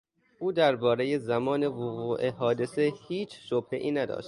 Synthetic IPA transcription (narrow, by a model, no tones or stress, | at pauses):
ʔuːd̪æɾbɒːɾe̞jezæmɒːne̞voɣuːʔeɦɒːd̪e̞se̞hiːt͡ʃʰʃob̥hḛʔiːnæd̪ɒ̰ːʃt̪